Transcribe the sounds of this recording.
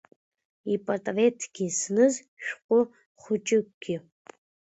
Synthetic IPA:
ipʼɐrtʼɐvetʰɡ̥ʲisnɨz | ʃᶣqʷʼʊ | χʷʊt͡ʃʼɪkʷɡʲi

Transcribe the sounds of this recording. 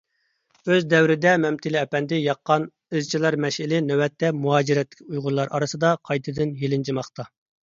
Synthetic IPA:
øzd̪ɛwɾɪd̪ɛmɛmt̪ʰɪlɪɛpɛnd̪ɪjɑqːɑn | ɨzt͡ʃʰilˠɑɾmɛʃɪlɪnɛwɛt̪ʰːɛmuɦɑːd͡ʒiɾɛt̪ːɪ̥kʲujʁʊlˠɑɾʔɑ̰ɾɨsɨd̪ɑqʰɑjt̪ʰɨd̪ɪnjelɪnd͡ʒʰimɑχt̪ɑ

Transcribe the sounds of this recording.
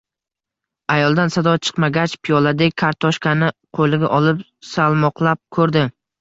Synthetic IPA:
ajɒlˠd̪ansad̪ɒt͡ʃʰɨ̥qmaɡʲat͡ʃpʰijɒlˠad̪ek̚ʲkʰaɾt̪ʰɒʃkʲʰanɪqʰolˠɪɡʲaʔɒlɪp | salˠmɒqlˠap̚kʰɵɾd̪ɪ

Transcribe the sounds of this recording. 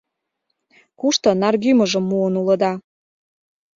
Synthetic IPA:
kuʃt̪ɤ̆nɑrɡyməʒə̆mːuənulɤ̆d̪ɑ

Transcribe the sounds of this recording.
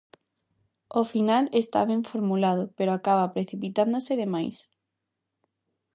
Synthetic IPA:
ofinalest̪a̰βẽɱfoɾmulaðopeɾoakaβ̞apɾeθipit̪and̪oseðemajs

